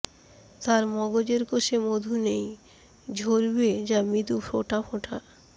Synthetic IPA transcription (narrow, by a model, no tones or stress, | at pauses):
t̪aɾmɔɡod͡ʑeɾkoʃʰemod̪ʱunej | d͡ʑʱoɾbed͡ʑamit̪ufoʈapʰoʈʰa